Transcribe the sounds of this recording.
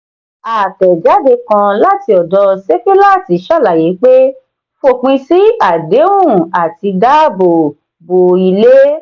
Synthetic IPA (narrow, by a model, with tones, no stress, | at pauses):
a˨tɛ˨d͡ʒa˨˦de˧kã˧la˦ti˧ɔ˨dɔ˧se˦ke˦la˦˨ti˨˦ʃa˦˨la˨ji˨˦k͡pe˦ | fo˦˨k͡pĩ˧si˦a˨de˨˦wũ˦˨a˨ti˧da˦bo˨ | bo˨i˧le˦